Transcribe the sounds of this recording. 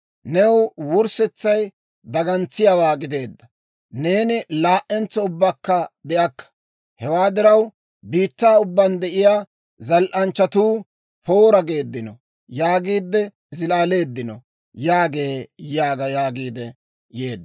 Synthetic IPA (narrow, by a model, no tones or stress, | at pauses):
nɛwwʊɾsɛt͡sːɐj | d̪ɐɡɐnt͡sːɪjawaːɡɪd̪e̞ːd̪ːɐ | ne̞ːnɪlaːʔɛnt͡sːɔʊbːakːɐd̪ɛʔɐkːɐ̥ | hɛwaːd̪ɪɾɐw | biːt̪ːaːʊbːɐnd̪ɛʔɪjaː | zɐlʔɐnt͡ʃːɐt̪uː | po̞ːɾɐɡe̞ːd̪ːɪnɔ̰ | jaːɡiːd̪ːɛ | zɪlaːle̞ːd̪ːɪnɔ̰ | jaːɡe̞ːjaːɡɐjaːɡiːd̪ɛ | je̞ːd̪ː